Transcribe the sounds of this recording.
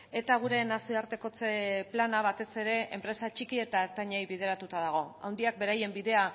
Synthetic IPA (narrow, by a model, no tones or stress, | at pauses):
e̞t̪aɣ̞uɾe̞nasiaɾt̪e̞ko̞t͡seplanaβ̞at̪e̞se̞ɾe̞ʔḛmpɾe̞sat͡ʃikie̞t̪aet̪aɲajβið̞e̞ɾat̪ut̪að̞aɣ̞o̞a̰wnd̪iak̚be̞ɾaje̞mbiðe̞a